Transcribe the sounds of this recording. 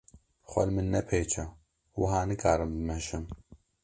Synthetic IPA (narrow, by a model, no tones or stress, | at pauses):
xʷɐ̰lmɨnːɛpʰeːt͡ʃʰɐ | wʊɦaːnɨkʰaːɾɨmbɨmɛʃɨm